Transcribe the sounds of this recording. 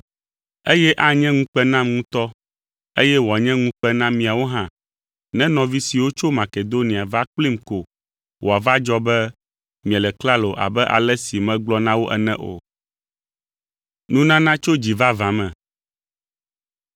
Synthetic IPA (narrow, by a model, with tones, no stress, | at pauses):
e˦jɛ˦ʔa˦ɲɛ̃˦ŋũ˦k͡pɛ˦nã˦mŋũ˦t̪ɔ˦ | e˦jɛ˦wɔ˨a˨ɲɛ̃˦ŋũ˦k͡pɛ˦nã˦mĩ˨a˨wo˦ɦã˦ | nɛ̃˦nɔ̃˨vi˦si˨wo˦t͡ʃo˦mã˨ke˨d̪o˦nĩ˨a˨va˦k͡pli˦mko˨ | wo˨a˨va˦d͡ʒɔ˦bɛ˦ | mĩ˨ɛ̃˨lɛ˨kla˦lo˨ʔa̰˨bɛ˦ʔa̰˨lɛ˦si˨mɛ̃˦ɡ͡blɔ˦nã˦wo˦ʔɛ̰˨nɛ̃˦ʔo̰˨ | nũ˦nã˦nã˦t͡ʃo˦d͡ʑi˨va˦vã˨mɛ̃˨